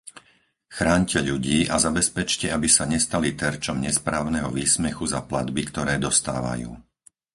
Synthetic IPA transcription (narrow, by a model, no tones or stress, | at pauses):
xɾaːɲcɛʎuɟiːʔazabɛspɛt͡ʃcɛabisaɲɛst̪alit̪ɛɾt͡ʃɔmɲɛspɾaːʊnɛɦɔʋiːsmɛxuzaplad̪bikt̪ɔɾɛːd̪ɔst̪a̰ːʋa̰jṵː